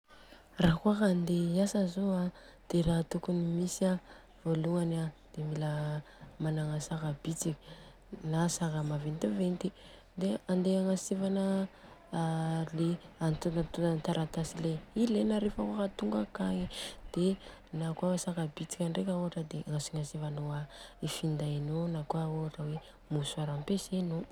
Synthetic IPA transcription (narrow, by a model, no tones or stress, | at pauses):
rakuaɦand̪easəzoad̪̥eɾaɦt̪ukunimisa | voluanad̪̥emilə | manaŋasakabit͡sikʲə̥ | nasakəmavent̪ivent̪i | d̪eand̪eaŋasivanə | leant̪unt̪uant̪aɾʔat̪asileilenaɾefakakat̪uŋɡakaŋid̪̥e | nakwaasakabit͡si̥kʲaɳɖ͡ʐekʲaoɦaʈ͡ʂəd̪eʔaŋasiŋasivanoaifind̪ainonakuaoaʈ͡ʂəwe | musuaɾampeseno